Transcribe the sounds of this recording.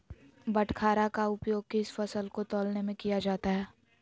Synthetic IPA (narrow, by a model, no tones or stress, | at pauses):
bɐʈkʰaːɾakaʊpjoːɡ̚keɪsfɐsəlkot̪ɔːlnemẽkijad͡ʒaːt̪aɦɛː